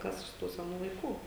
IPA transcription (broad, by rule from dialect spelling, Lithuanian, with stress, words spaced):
ˈkɐs ɪʃ ˈtuː sʲɛˈnuː lˠɐɪˈkuː